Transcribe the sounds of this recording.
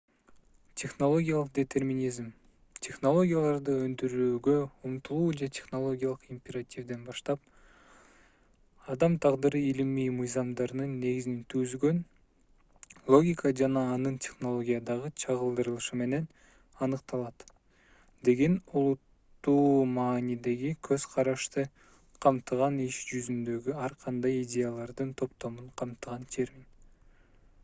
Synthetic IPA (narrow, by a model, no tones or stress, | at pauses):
tʲʰe̞χno̞lˠo̞ɡʲijalˠɯqd̪ʲet̪ʰe̞rmʲinʲizm | tʲʰe̞χno̞lˠo̞ɡʲijalˠɑɾd̪ɯønd̪yɾyːɡø̞umt̪ulˠuːd͡ʒetʲʰe̞χno̞lˠo̞ɡʲijalˠɯqimpʲeɾatʲivd̪enbɑʃt̪ɑp̚ | ɑd̪ɑmt̪ʰɑʁd̪ɯɾɯilimiːmɯjzɑmd̪ɑɾɯnɯnːe̞ɡizinint̪ʰyzɡø̞n | lˠo̞ɡʲikəd͡ʒɑnɑːnɯntʲʰe̞χno̞lˠo̞ɡʲijɑd̪ɑʁɯt͡ʃʰɑʁɯlˠd̪ɯɾɯlˠɯʃɯme̞ne̞n | ɑnɯqt̪ɑlˠɑt̪ | d̪e̞ɡe̞nulˠut̪ːuːmɑːnid̪e̞ɡikʰøzqʰɑɾɑʃt̪ɯ | qʰɑmt̪ɯʁɑniʃd͡ʒyzynd̪ø̞ɡyɑɾqʰɑnd̪ɑjidʲe̞jalˠɑɾd̪ɯnt̪ʰo̞pt̪o̞muɴqʰɑmt̪ɯʁɑnt̪ʰe̞ɾmʲin